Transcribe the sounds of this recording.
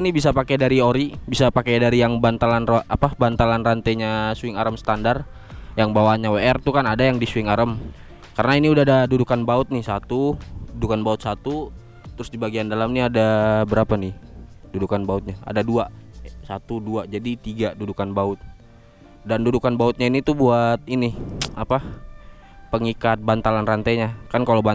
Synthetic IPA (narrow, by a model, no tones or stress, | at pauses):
nibisapakɛdaɾioɾibisapakadaɾijaŋbant̪alanrapabant̪alanrant̪ajɲasuɪŋaɾəmsə̥t̪andar | jaŋbawaɲaweɛrt̪ukanadajaŋdisuɪŋaɾəm | kaɾənainiudaadadudukanbaʊt̪̚nɪhsat̪ududukanbaʊt̪̚sat̪u | t̪əɾʊsdibaɡiandalamniadabəɾapanɪdudukanbaʊt̪̚ɲaa̰daduasat̪uduad͡ʒadit̪iɡadudukanbaʊt̪̚ | dandudukanbaʊt̪̚ɲainit̪ubuat̪̚inɪapa | pəŋikat̪̚bant̪alanrant̪aɲakankaloba